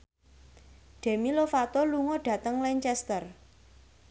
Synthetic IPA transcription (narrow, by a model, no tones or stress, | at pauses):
ɖ̥e̤milofat̪oluŋɔɖ̥ä̤t̪əŋlɛɲt͡ʃɛst̪ər